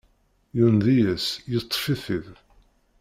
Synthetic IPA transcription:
junðijæsjət̪ˤːfiθið

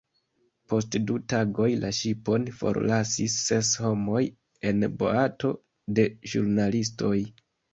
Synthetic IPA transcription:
po̞stdutaɡo̞jlʔaʃipo̞nfo̞̰ɾlasisːe̞sho̞mo̞j | e̞nbo̞̰ato̞ | de̞ʒuɾnalis̬to̞j

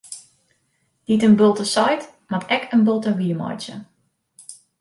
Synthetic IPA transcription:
d̥itənbølˠtəsɑjt | matʰɛkʰənbølˠtəriəmɔ̰jt͡ʃə̰

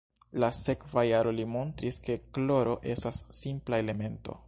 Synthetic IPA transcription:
lase̞kvajaɾo̞limo̞ntɾiske̞klo̞ɾo̞ʔe̞stasːimplaele̞me̞nto̞̰

